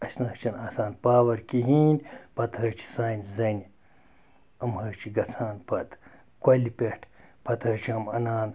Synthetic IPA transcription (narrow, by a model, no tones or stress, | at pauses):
ɐsnɐt͡ʃʰɐnaːsaːnpaːwɐɾkiɦiːnʲpɐt̪hɐːt͡ʃʰi̥saːinʲszɐnʲi | ɐmhət͡ʃʰiɡɐt͡sʰaːnpɐt̪ | kʷɐlʲipʲeʈʰpɐt̪ʰɐt͡ʃʰiɐmɐnaːn